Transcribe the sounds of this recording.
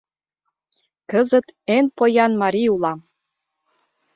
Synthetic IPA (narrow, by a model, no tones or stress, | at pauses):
kəzə̆t̪enpojɑnmɑɾiulɑm